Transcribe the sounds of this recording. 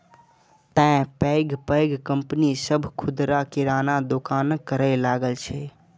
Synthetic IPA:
t̪ɛ̃pəɪɡpəjɡkəmpnisəbʱkʰʊd̪ɾakiɾanad̪okaːnkəɾəlaɡəlt͡ʃʰɛ

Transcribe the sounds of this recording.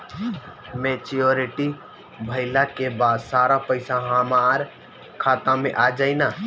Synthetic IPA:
met͡ʃioɾiʈi | bʱəɪlakebad̪saɾapəɪsaɦamaɾ | kʰat̪ãmẽʔad͡ʒaɪna

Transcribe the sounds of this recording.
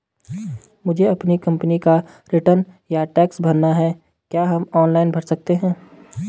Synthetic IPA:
mʊd͡ʒʱeɐpnikɐ̃mpnika | ɾɪʈəɾnjaʈɛːksbʱɐɾnaɦɛ | kjaːɦɐmɔːnlaːɪnbʱɐɽsɐk̚t̪eɦɛ̃ː

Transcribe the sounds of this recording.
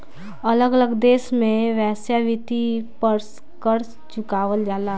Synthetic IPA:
ələɡələɡd̪eːsmẽʋɛːsjaʋit̪ipəɾs | kəɾ | t͡ʃʊkaːʋəld͡ʒaːlaː

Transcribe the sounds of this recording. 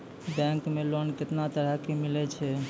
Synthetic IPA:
bɛ̃ŋkmelonket̪nat̪əɾ̤əkemilɛt͡ʃʰɛ

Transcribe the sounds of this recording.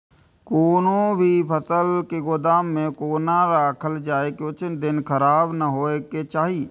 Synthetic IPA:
koːnõbʱipʰəsəlkeɡʊd̪aːmːẽkoːnaɾaːkʰəld͡ʒaːekeʊt͡ʃnd̪ɪnkʰəɾaːbnəɦoːeket͡ʃaːɦiː

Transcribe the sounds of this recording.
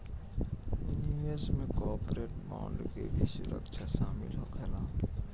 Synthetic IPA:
junjuːjəsmẽkɔːpɾeːʈbã̰ːɳɖkebʱisʊɾə̰kt͡ʃʰaʃaːmɪ̰lɦokʰɛlaːp

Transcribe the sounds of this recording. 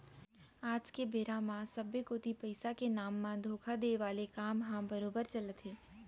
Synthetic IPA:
aːd͡ʒkebeɾãmãsəbjekot̪ipəɪsakenaːmːãd̪ʱokʰad̪eʋaːlekaːmɦãbəɾoːbəɾt͡ʃələt̪ɦeː

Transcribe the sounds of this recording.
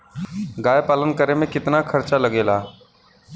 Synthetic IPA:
ɡaːjpaːlənkəɾemẽkɪt̪nakʰəɾt͡ʃaləɡeːlaː

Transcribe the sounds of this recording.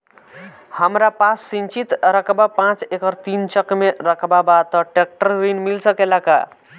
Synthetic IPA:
həmɾapasːint͡ʃit̪ɾəkʰbapãt͡ʃekəɾt̪int͡ʃəkmeɾəkʰbabat̪ɔʈek̚ʈəɾɾinmilsəkelaka̰

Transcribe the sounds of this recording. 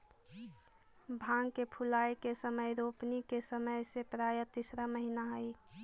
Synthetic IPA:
bʱãːŋɡkepʰʊlaːjkesəməjɾoːpnikesəməjsepɾaːjət̪isɾaməɦinaɦəi

